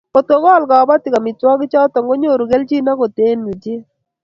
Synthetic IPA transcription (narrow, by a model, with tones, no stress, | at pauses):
ko˨t̪o˨ɡɔ˦˨lɡa˨ba˦tɪ˨ka˨mɪ˨twɔ˦ɡɪ˦t͡ʃa˦tɔ˨ŋɡo˦ɲo˦˨ɾu˨ɡe˦lt͡ʃi˦na˦ko˨te˦nɲu˨d͡ʒɪ˦